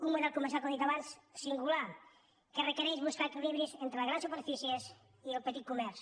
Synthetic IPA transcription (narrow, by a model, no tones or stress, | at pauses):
umuðɛlˠkumeɾsjalkõd̪it̪ɐβanθsiŋɡulaɾ | kɪrekeɾejzβuskaɾekiliβɾjiusent̪ɾɐɣɾansupeɾfisies | ielpt̪it̪̚kumɛɾsu̥